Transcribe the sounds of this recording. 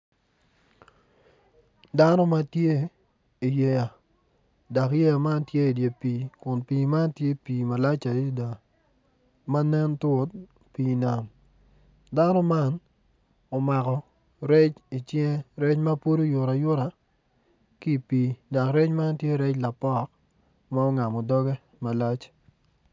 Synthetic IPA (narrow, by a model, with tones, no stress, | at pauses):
da˦nɔ˦ma˦tje˦ | i˨je˨ja˨ | da˨kje˦ja˨ma˦ntje˦i˨dje˨pi˨kʊ˨npiː˨ma˦ntje˦piː˨ma˨la˦t͡ʃa˨˦da˨ | ma˦nɛ˦nto˨˦t̚ | piː˨na˨m | da˦nɔ˦ma˦n | o˨ma˨kɔ˨ | ɾɛ˦t͡ʃi˨t͡ʃje˦ɾɛ˦t͡ʃma˦po˦ɾo˦jʊ˨ɾa˨jʊ˦ɾa˨ | ki˦˨piː˨da˨kɾɛ˦t͡ʃma˦ntje˦ɾɛ˦t͡ʃla˨pɔ˦k | ma˦ɔ˦ŋa˨mɔ˨dɔ˦ɡɛ˦ | ma˨la˦t͡ʃ